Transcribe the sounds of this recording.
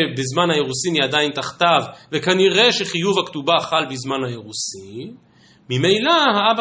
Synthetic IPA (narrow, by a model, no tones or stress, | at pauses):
bezmanhajeʁusiniad̪aint̪aχt̪avvekaniʁe̞ʃe̞χijuvhakt̪ubaχalbizmanhajeʁusi | mimejlahaab